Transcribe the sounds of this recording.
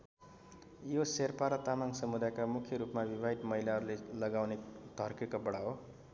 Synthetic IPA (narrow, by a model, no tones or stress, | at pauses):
joserpaɾʌt̪amaŋsʌmud̪ajkamukʰjʌɾupmabibʱaɦit̪mʌɦilaɦʌɾulelʌɡawnet̪ʌrkekobʌɽaɦo